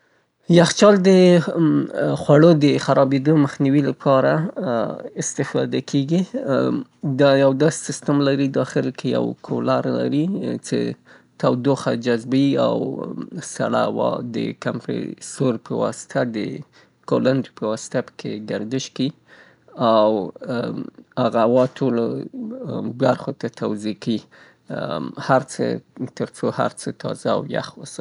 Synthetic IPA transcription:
jaxt͡ʃɑld̪ə | xwaɽod̪əxaɾɑbed̪omaxniwilapʰɑɾa | ɪst̪ɪfɑ̰d̪akʰeɡi | d̪ɑjawd̪ɑssɪst̪amlaɾid̪ɑxɪlkʰeja̰wkʰolaɾla̰ɾit͡ʃḛ | t̪awd̪oxad͡ʒazbaia̰wsa̰ɽawɑ̰d̪ə̰kampḛsoɾpʰəwɑ̰sɪ̥t̪ʰad̪ə | koland̪ipəwɑsɪ̥t̪apə̥kʰeɡaɾd̪ɪʃki | aw | haɣawɑtʰolo | baɾxot̪at̪ʰawzekai | haɾt͡sə̰t̪əɾt͡soha̰ɾt͡sət̪ʰɑ̰za̰ːwja̰xwəsa

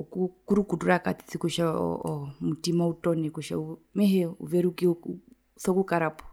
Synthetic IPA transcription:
ɔkukuɾukuduɾakati̥t͡sikuʃa̰ɔmutimautɔnɛkuʃa̰u | mɛɦɛṵvɛɾuki | sɔkukaɾapɔ̥

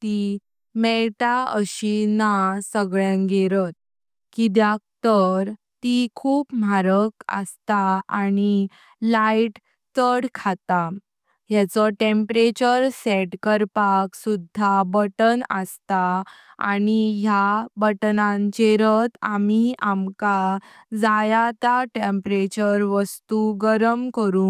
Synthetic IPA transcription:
t̪i | meɭʈaəɕinasəɡɭjãŋɡeɾət̪̚ | kid̪jak̚t̪əɾ | t̪ikʰuːpmaɾəkə̰st̪aañi | laiʈ | t͡səɽkʰat̪a | jat͡sɔʈempɾet͡ɕəɾsɛʈkəɾpaksud̪ʱːabəʈənə̰st̪a | a̰ñijabəʈnãnt͡ɕeɾət̪amiamka | d͡zajat̪aʈempɾet͡ɕəɾʋəst̪uɡəɾəmkəɾũː

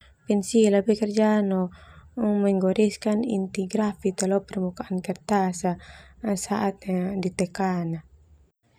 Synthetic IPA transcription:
pɛnsilabɛkɛrd͡ʒanɔ | mɛŋɡɔɾiskanḭnt̪ɛɡɾafit̪ɛlɔpɛrmukaʔankɛrt̪asasaʔat̪̚ɲadit̪ɛkana

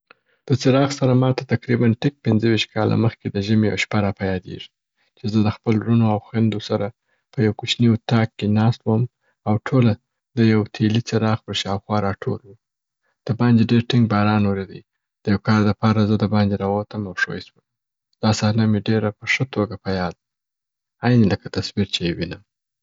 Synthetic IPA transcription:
d̪̥ət͡sɪɾɑxsaɾamɑt̪at̪akɾibanʈɪk̚pɪnzəwiʃt̪̚kɑlʔa̰məxked̪əʒəmeja̰wʃpaɾɑpajɑd̪ḛʐi | t͡ʃezəd̪əxpəlɾunoawxwand̪osaɾa | pəjawkut͡ʃniut̪ɑkːenɑst̪wəm | awʈʰola | d̪əjawt̪ʰelit͡səɾɑxpəɾʃɑwxwɑɾɑʈʰolwu | d̪̥əbɑnd̪eɖeɾʈɪŋɡ̚bɑɾɑnwoɾed̪əi | d̪̥əjawkɑɾd̪əpɑɾazəd̪əbɑnd̪eɾaɣot̪əmawʂo̰jswəm | d̪̥ɑsɑhnameɖeɾapəʂət̪oɡapajɑd̪ | ajneləkat̪asbiɾt͡ʃeewinəm

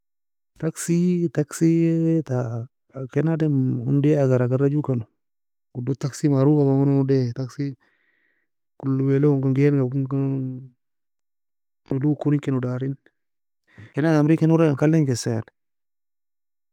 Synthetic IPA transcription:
taksitaksieta | kenademundeaɡaɾaɡaɾad͡ʒukanu | ɡ̥udotaksimaɾuɡabaŋanunudetaksi | kulːuwelouɡaŋɡenɡauɡa | nudukuɾiŋkenudaɾin | kenaamɾikenuɾaaŋkalːeŋɡesejan

